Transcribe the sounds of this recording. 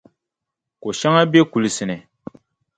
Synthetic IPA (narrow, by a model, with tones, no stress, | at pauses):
ko˨ʃa˦ŋa˦be˦ku˨lɨ˨sɨ˨nɨ˨